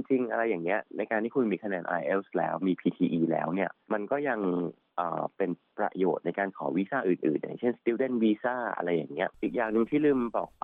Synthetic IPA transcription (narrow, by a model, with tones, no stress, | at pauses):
t͡ɕi˧ŋt͡ɕi˧ŋʔa˧ɾa˧jːaː˨˩ŋni˦˥ɐna˧jkaː˧nt̪ʰiː˥˩kʰu˧nmiː˧kʰa˧nɛː˧nʔa̰ː˧jʔe˦˥pslɛ̰ː˦˥wmiː˧pʰiː˧t̪ʰiː˧ʔiː˧lɛ̰ː˦˥wni˥˩ɐma˧nkɔː˥˩ja˧ŋ | ʔə̰ː˨˩pe˧npɾa̰˧joː˨˩t̪̚na˧jkaː˧nkʰɔ̰ː˩˦wi˦˥saː˥˩ʔɯː˨˩nʔɯː˨˩nːa̰˨˩jt͡ɕʰe˥˩nst̪i˧wde˥˩nwiː˧saː˥˩ʔa̰˧ɾa˧jːaː˨˩ŋni˦˥ɐʔiː˨˩k̚jaː˨˩ŋnɯ˧ŋt̪ʰiː˥˩lɯː˥˩mbɔː˨˩k̚a˧